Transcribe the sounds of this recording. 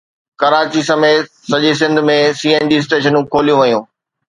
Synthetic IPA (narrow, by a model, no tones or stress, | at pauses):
kɐɾaːt͡ɕisɐmeː | sɐʄis̬ɪ̃nd̪ʱʊmẽsiːenɖis̬ʈeːʃ̬ənũkʰoːlijũʋɐjũː